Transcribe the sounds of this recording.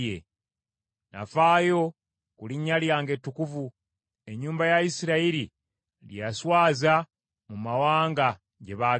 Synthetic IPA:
ḛ | na̰faːjo̞ | kuliɲːaljaːŋɡe̞tːukuvu | e̞ɲːuːmbajaisiɾaiɾi | lijaswaːza | mumawaːŋɡa | ɟe̞βaː

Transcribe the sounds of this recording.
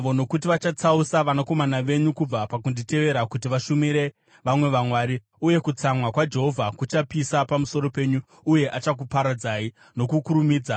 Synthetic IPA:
ʋo̞no̞kut̬iʋat͡ʃat͡sausaʋanako̞manaʋe̞ɲukub͡vapakundite̞ʋe̞ɾakut̬iʋaʃumiɾe̞ | ʋamwe̞ʋamwaːɾi | uje̞kut͡samwakwad͡ʒe̞ɦo̞vʱakut͡ʃapisapamuso̞ɾope̞ːɲuː | je̞ʔat͡ʃak̬upaɾad͡zaːi | no̞kukuɾumiːd͡za

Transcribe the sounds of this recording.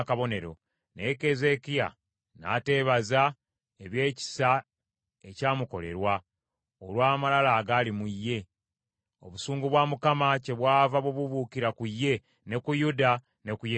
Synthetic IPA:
kaβo̞ne̞ɾo̞̰ | ne̞ke̞ze̞kija̰ | na̰te̞ːβaza | e̞βje̞ːci̥sa | e̞caːmuko̞le̞̰ɾwa | olwaːmalalaːɡalimujːe̞ | o̞̰βusuːŋɡuβwaːmukamace̞βwaːvaβoβuβukiɾakujːe̞ | ne̞kujuda | ne̞kuje

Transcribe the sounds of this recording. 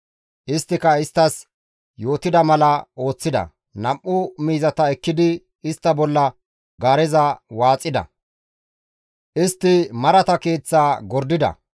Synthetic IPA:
ʔɪst̪ːɪkɐɪst̪ːɐs | jo̞ːt̪ɪd̪ɐmɐlɐo̞ːt͡sːɪd̪ɐ̰ | nɐmʔːʊmiːzɐt̪ɐɛkːɪd̪ɪ | ɪst̪ːɐbɔlːɐ | ɡaːɾɛzɐwaːt͡sʼːɪd̪ɐ̰ | ʔɪst̪ːɪmɐɾɐt̪ɐke̞ːt͡sːaːɡɔɾd̪ɪd̪ɐ̰

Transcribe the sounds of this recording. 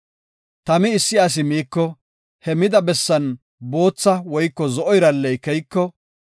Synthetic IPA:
t̪ɐmɪɪsːɪas̬ɪmiːkːɔ | hɛmɪd̪ɐbɛsːɐn | bo̞ːt͡sːɐwɔjkːɔzɔʔɔjɾɐlːɛjkɛjkːɔ

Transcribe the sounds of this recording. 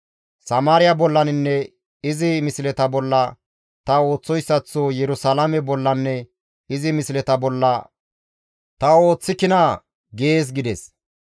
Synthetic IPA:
sɐmaːɾɪjɐbɔlːɐnɪnːɛ | ɪzɪmɪslɛt̪ɐbɔlːɐ | t̪ɐo̞ːt͡sːɔjsːɐt͡sːoːjɛɾʊsɐlamɛbɔlːɐnːɛ | ɪzɪmɪslɛt̪ɐbɔlːɐ | t̪ɐo̞ːt͡sːɪkɪna | ɡeːs̬ɡɪd̪ɛs

